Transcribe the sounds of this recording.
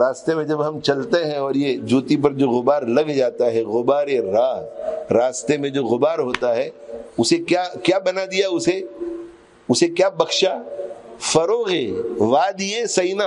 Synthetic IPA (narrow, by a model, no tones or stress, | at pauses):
ɾaːst̪emẽd͡ʒɐbɦɐ̃mt͡ʃɐlt̪eɦɛ̃ɔːɾjed͡ʒuːt̪ip̬ɐɾd͡ʒoːɣʊbaːɾlɐɡd͡ʒaːt̪aɦɛɣʊbaːɾeɾaːɦɾaːst̪emẽd͡ʒoːɣʊbaːɾɦoːt̪aɦɛʊsekjaːkjaːbɐnad̪ijaʊse | ʊsekjaːbɐxʃa | fɐɾoːɣeʋaːd̪ijesɐina